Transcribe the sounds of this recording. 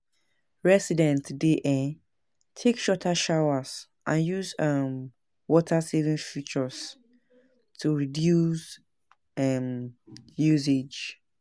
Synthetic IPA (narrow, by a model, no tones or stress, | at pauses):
ɹɛsidɛ̃ntdeʔɛ | tʰekʃɔtʰaʃawas | ʔãnjuzʌm | wɔtʰasevĩnfit͡ʃɔs | tʰuɹidjus | ɛmjuzed͡ʒ